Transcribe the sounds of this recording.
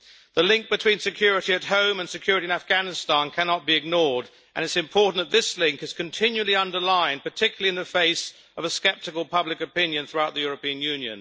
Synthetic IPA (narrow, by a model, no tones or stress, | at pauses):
ðəlɪ̃ŋk̚b̥ɨtʰw̥ĩnsɨkʰj̥ʊɹɨɾiɨt̚ɦõʊ̃mə̃nsɨkʰj̥ʊɹɨɾiɨ̃næfɡ̥ænɨstɑ̃nkʰænɑt̚b̥iɨɡ̚nɔɹd | ʔɨ̰̃ñɨtsɨ̃mpʰɔɹʔn̩ðət̪̚ðɪslɪ̃ŋkɨz̥kʰɨ̃ntʰɪ̃njʉlˠiʌ̃ndə˞lãɪ̃npə˞tʰɪkjl̩ˠiɨ̃nðɨfeɪs | ʌvəskɛp̚tɨkəlˠpʰʌblɨkɨpɪ̃njɨ̃nθɹuaʊt̪̚ðɨjʊɹəpĩɨ̃njʉ̃njɨ̰̃n